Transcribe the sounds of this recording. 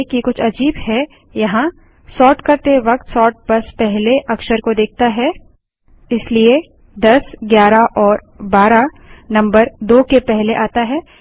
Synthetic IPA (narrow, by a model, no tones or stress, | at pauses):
kikʊt͡ʃʰɐd͡ʒiːbhɛ | jɐɦã | sɔːʈkɐɾt̪eʋɐk̚t̪sɔːʈ̚bɐspɛɦleʔɐkʃəɾkod̪eːk̚ʰt̪aɦɛ | ɪslie | d̪ɐsɡjaːɾaʔɔːɾ | baːɾa | nɐ̃mbəɾd̪oːkepɛɦleʔaːt̪aɦɛː